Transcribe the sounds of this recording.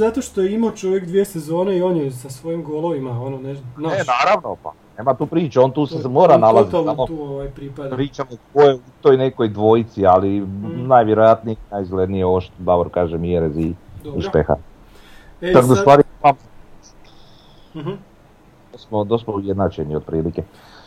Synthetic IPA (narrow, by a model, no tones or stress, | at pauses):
zat̪oʃt̪ojimat͡ʃo̞ʋjekd̪ʋiesezo̞ːneio̞ːnjesasʋo̞jimɡolˠo̞ʋimaononeʒnaenaːɾaʋnopa̰neːmat̪uːpɾiːt͡ʃaont̪uːsesmo̞ːɾanalazit̪saamot̪uoʋajpɾipad̪pɾiːt͡ʃamosojeut̪ojneko̞jd̪ʋo̞jit̪sialinajʋʲjeɾojat̪nijenajizɡled̪nijeoʃt̪d̪aboɾkaːʒemieɾeziiʃpexa̰ | t͡ʃak̪d̪osst̪ʋaːɾiemam | d̪osmod̪osmoujed̪nat͡ʃeniod̪̚pɾiːlike